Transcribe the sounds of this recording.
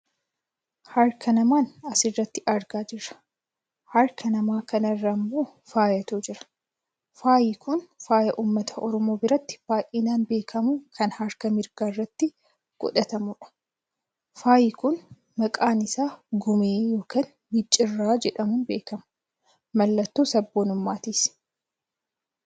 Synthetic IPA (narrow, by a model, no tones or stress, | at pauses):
hɐɾkʰɐnɐmaːnɐsɪrːɐt̪ːɪʔɐɾɡaːd͡ʒɪɾɐ̥ | hɐɾkɐnɐmaːkɐnɐrːɐmbuːfaːjɐt̪uːd͡ʒɪɾɐ̥ | faːjɪkʊnfaːjɐʔuːmːɐt̪ʰɐʔɔɾɔmo̞ːbɪɾɐt̪ːɪ̥b̥aːʔɪnaːnbe̞ːkʰɐmukʰɐnhɐɾkɐmɪɾɡaːrːɐt̪ːɪ | ɡ̥ɔ̰ᶑɐt̪ɐmʊᶑɐ̥ | faːjɪkʊn | mɐkʼaːnɪsaːɡʊmeːjo̞ːkɐːn | mɪt͡ʃʼːɪrːaːd͡ʒɛᶑɐmʊnbeːkɐmɐ̥ | mɐlːɐt̪ːuːsɐbːoːnʊmːaːt̪is